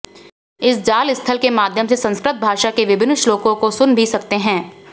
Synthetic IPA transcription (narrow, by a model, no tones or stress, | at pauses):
ɪsd͡ʒaːlɪst̪ʰəlkemaːd̪ʱjəmsesɐ̃nskɾɪt̪̚bʱaːʃakeʋɪbɪnʃloːkõkosʊnbʱisɐk̚t̪eɦɛ̃ː